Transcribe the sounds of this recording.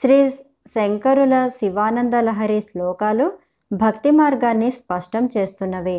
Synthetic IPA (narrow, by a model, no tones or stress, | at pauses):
ʃɾiː | seŋkɐɾulɐsiʋaːnɐnd̪ɐlɐɦɐɾislɔːkaːlu | bʱɐkt̪imaːɾɡaːnːispɐʂʈɐmt͡ʃe̞ːst̪unːɐʋi